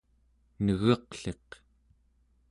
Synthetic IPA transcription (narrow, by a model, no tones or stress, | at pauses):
nəɣʌqɬe̞q